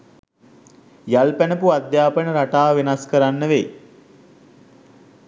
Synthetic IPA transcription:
jalpænəpuad̪jaːpənəɾaʈaːʋenaskəɾanːəʋe

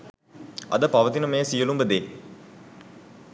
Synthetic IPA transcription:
ɐ̰d̪əpaʋət̪inəmeːsijəlumbəd̪eː

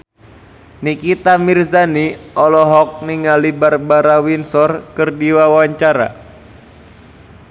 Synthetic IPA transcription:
nikit̪amirzaniʔɔlɔɦɔk̚niŋalibarbaɾawinsɔrkərdiwawaɲt͡ʃaɾa̰

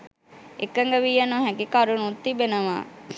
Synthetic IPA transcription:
ekːəŋɡəʋiːjanoɦɛɡikaɾunut̪ːibenəʋa̰ː

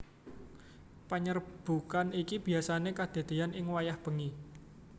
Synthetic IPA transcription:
pəɲərb̥ṳkanikib̥i̤asanekad̪̥e̤d̪̥e̤anɪŋwajahb̥ə̤ŋi

